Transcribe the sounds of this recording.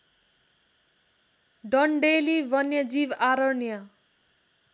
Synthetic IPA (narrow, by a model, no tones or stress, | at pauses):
ɖʌɳɖelibʌnjʌd͡zibaɾʌnjʌ